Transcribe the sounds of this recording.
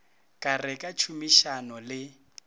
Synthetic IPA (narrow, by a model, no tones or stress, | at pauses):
kʼarɛkʼat͡ʃʰumiʃanɔlɪ